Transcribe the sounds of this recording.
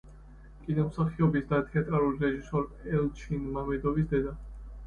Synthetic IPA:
kʼinɔmsaχiɔbisd̪at̪ʰɛat̪ʼɾaɾuliɾɛʒisɔɾɛlt͡ʃʰinmamɛd̪ɔvis̬d̪ɛd̪a

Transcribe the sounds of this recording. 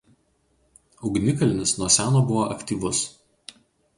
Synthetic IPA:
ʊɡnʲɪkɐlʲɪnʲɪsnuɔsʲæːnoːbʊʋoːʔɐkʲt̪ʲiːʋʊs

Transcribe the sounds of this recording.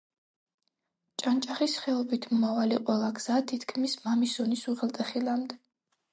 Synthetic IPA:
t͡ʃʼant͡ʃʼaχisχɛɔbit̪ʰmɔmavaliqʼwɛlˠaɡz̥at̪ʰit̪ʰkʰmismamisɔnisuʁɛlˠt̪ʼɛχilamd̪ɛ

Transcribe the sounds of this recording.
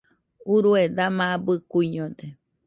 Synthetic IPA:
uɾued̪amãabɨkuiɲõd̪e

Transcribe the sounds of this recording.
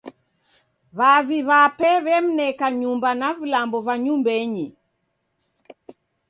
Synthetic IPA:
βaviβapɛβɛm̩nɛkaɲumbanavilambɔvaɲumbɛɲi

